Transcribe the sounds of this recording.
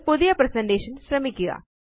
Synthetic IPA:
pʊd̪japɾɛsɛ̃ɳɖeːʃənsɾɐmikːɪja̰ː

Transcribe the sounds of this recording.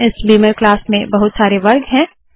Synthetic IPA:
ɪsbiːməɾklaːsmẽbɐɦʊt̪saːɾeʋɐɾɡɦɛ̃ː

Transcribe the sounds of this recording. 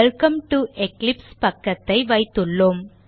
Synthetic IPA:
lkɐmʈuʔɛklɪpspɐkːɐt̪ːɐɪʋɐɪt̪ːɯɭːom

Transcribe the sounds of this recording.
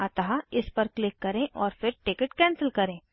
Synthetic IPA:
aːt̪aɦaɪspɐɾklɪkːɐɾẽʔɔːɾfɪɾʈɪkɪʈkɛ̃ːnsəlkɐɾẽː

